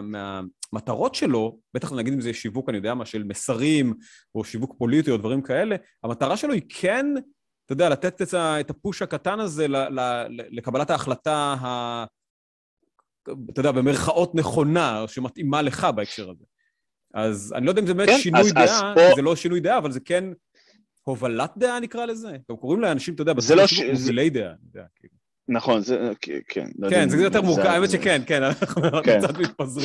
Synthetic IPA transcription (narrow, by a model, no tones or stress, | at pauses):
meamat̪aʁo̞tʃe̞lo̞b̥et̪aχnaɡid̪imzeʃivukanijodeamaʃelmesaʁim | o̞ʃivukpo̞litiod̪vaʁimkae̞le̞ | amat̪aʁaʃelo̞ikʰen | t̪ojd̪ealat̪et̪etaetapuʃhakatanaze̞lalaelekabalataːχlataɦa | tod̪eabemeʁχaʔo̞t̪ne̞χo̞naoʃematimale̞χabaekʃe̞ʁaze | aza̰nilodaimzebemet̪ʃinujdeʔazelo̞ʃinujd̪eaːvalzeken | ho̞valat̪̚d̪eʔanikʁalezeɡamko̞ʁimleanaʃimt̪ojodeabazelouzlejd̪eʔa̰tod̪ea̰kilu | naχonzḛkʰḛnkenzejot̪̬eʁmukaajmet̪ʃekenkenanaχnakt͡sat̪mit̪̚pazʁ